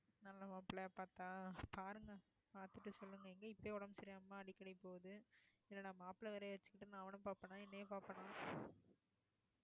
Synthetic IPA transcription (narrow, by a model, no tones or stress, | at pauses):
nɐlːɐmaːpɪlɐepaːɾt̪ãːpaːɾɯŋɡɐ | paːɾt̪ɯʈːɯsɔlːɯŋɡɐɛŋɡɐɪpːoeːɔɽɐmsɪɾɪjaːmːaːɐɽɪkːɐɽɐɪpːoːðɯɪlːɐnãːmaːpɪlɐʋɐɾɐʋɐt͡ʃːɯ̥kːɪʈːɯnãːɐʋɐnɯ̃paːpːɐnãːɛnːɐeːpaːpːɐɳãː